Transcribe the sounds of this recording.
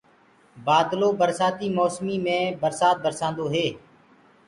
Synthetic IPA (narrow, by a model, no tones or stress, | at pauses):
baːd̪loːbəɾsaːt̪iːmɔːsmiːmẽːbəɾsaːt̪̚bəɾsãːnd̪oːɦeː